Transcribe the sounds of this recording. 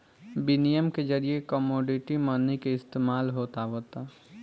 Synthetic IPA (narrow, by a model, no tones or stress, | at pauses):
binijəmked͡ʒəɾijekəmoːɖiʈimənːikeɪst̪eːmaːlɦoːt̪aɦoːt̪a